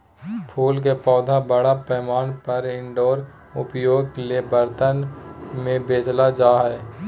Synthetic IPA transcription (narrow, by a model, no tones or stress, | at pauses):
pʰuːlkepɔːd̪ʱabəɽapɛːmaːnpəɾɪ̃ɳɖoːɾ | ʊpjoːɡ̚keliebəɾt̪ənmẽbeːd͡ʒlad͡ʒaːɦɛː